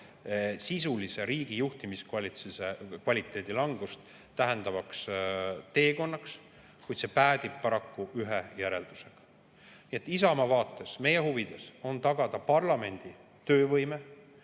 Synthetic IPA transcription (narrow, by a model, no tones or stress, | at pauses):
sisulise̞ɾiːɡ̥ijuht̪imiskvɑlit̪sisekvɑlʲit̪ːˑe̞ːd̪̥ilɑŋɡ̥ust̪ | t̪æɦe̞nd̪̥ɑvɑkst̪e̞ːko̞nːɑks | kujd̪̥se̞pæːd̪̥ib̥̚pɑɾɑkːuyɦejæɾe̞ld̪̥use̞ɡ̥ɑ̥ | niet̪ːˑisɑmɑvɑːt̪ːˑe̞sme̞jehuvid̪̥e̞so̞nt̪ɑɡ̥ɑd̪̥ɑpɑrlɑme̞nʲd̪̥i | t̪ø̞ːvɤjme̞